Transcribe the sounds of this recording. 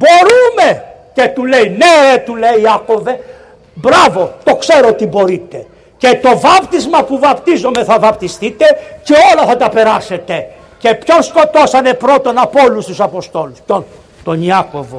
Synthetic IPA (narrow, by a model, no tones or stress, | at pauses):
bo̞ɾume̞ce̞t̪ule̞ineɾet̪uleiiɐko̞ve | bɾɐvo̞t̪o̞kse̞ɾot̪ibo̞ɾit̪e̞ | ce̞t̪o̞vɐpt̪izmɐpuvɐpt̪izo̞me̞θɐvɐpt̪ist̪it̪e̞ce̞o̞lɐθɐt̪ɐpe̞ɾɐse̞t̪e̞ | ce̞pço̞nsko̞t̪o̞sɐnepɾo̞t̪o̞nɐpolust̪usɐpo̞st̪o̞luspço̞n | t̪oniɐko̞vo